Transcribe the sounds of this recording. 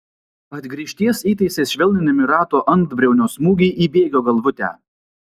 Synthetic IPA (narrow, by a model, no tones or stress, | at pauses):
ɐd̪ʲɡɾʲiːʃʲt̪ʲiɛsiːt̪ɐɪsʲeːsʃʲʋʲɛlʲnʲɪnʲɪmʲɪɾɑːt̪oːʔɐnˑt̪bʲɾʲɛʊnʲoːsmuːɡʲɛɪʔiːbʲeːɡʲoːɡɐlˠʋʊt̪ʲæ̰ː